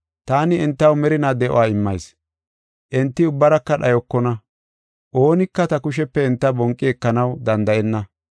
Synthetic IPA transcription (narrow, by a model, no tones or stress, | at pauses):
t̪aːnɪɛnt̪ːɐwmɛɾɪnaːd̪ɛʔɔ̰aːɪmːɐjs | ʔɛnt̪ːɪʊbːɐɾɐkːɐɗɐjɔkːɔnɐ | ʔo̞ːnɪkːɐt̪ɐkʊʃɛpːɛɪnt̪ːɐbɔŋkʼːɪɛkːɐnɐwd̪ɐnd̪ɐʔɛnːɐ